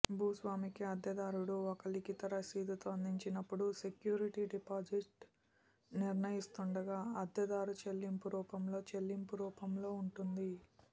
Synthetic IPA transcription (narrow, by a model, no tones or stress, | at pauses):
bʱuːsʋaːmikiɐd̪jɐd̪aːɾuɽuɔkɐlikit̪ɐɾɐsiːd̪ɐt̪oːɐnd̪iɲt͡ʃinɐpːuɽusekjuːɾiʈiɖipaːd͡ʒiʈ | niɾnɐjist̪uɳɖɐɡaːɐd̪jɐd̪aːɾut͡ʃe̞lːimpuɾuːpɐmlo̞ːt͡ʃe̞lːimpuɾuːpɐmlo̞ːuɳʈund̪i